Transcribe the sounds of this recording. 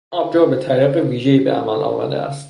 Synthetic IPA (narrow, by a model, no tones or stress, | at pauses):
ʔɒb̚d͡ʒɒːbet̪ʰæɾiːɣeviːʒejiːbeʔæ̰mælɒ̰ːmæ̰d̪eʔæ̰st̪